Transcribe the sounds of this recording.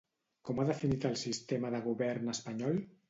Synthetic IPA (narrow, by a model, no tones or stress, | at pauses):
kɔmaðəfinit̪əlˠsist̪eməðəɣ̞uβɛɾnəspaɲɔl